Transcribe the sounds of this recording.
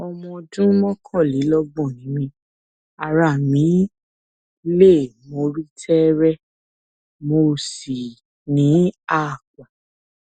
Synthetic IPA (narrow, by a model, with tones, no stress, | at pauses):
ɔ˧mɔ̃˧dũ˦mɔ̃˦kʰɔ̃˦˨li˨˦lɔ˦ɡ͡bɔ̃˦˨nĩ˨˦mĩ˧˦ | a˨ɾa˨mĩ˨˦ | le˦˨mo˧ɾi˦tʰɛ˦ɾɛ˦ | mo˧si˨ | nĩ˨˦a˦˨ka˨